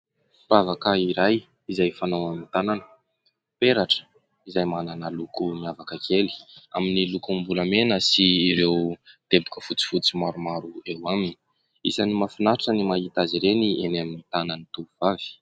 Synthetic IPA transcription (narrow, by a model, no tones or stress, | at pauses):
pavakaiɾaj | izajfanawamint̪ananə̥ | peɾaʈ͡ʂə̥ | izajmananəlukumiavakəkʰeli̥a̰minilukumbulamenəsiːɾewd̪̥ebukəfut͡si̥fut͡simaɾumaɾuewaminii | isanimafinaʈ͡ʂənimaɦit̪aziɾeniʔenaminit̪ananit̪uuvavi̥